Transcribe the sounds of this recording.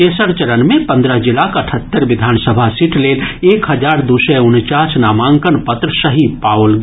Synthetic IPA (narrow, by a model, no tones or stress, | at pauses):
esəɽt͡ʃəɾənmẽpə̃nd̪ɾəɦd͡ʒɪlakəʈʰət̪ːəɾʋɪd̪ʱaːnsəbʱasiʈʰleːleːkɦəd͡ʒaːɾd̪usɛunt͡ʃaːt͡ʃnaːmãŋkənpət̪ɾəsəɦipaːwlɡ